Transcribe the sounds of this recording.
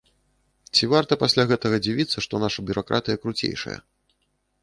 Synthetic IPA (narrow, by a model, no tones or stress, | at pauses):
t͡sʲivart̪ɐpasʲlʲaɣɛt̪ɐɣɐd͡zʲivʲit̪sːɐʂt̪ɔnaʂɐbʲuɾʔakɾʔa̰t̪ɨjɐkɾut͡sʲḛjʂɐ̰jɐ̰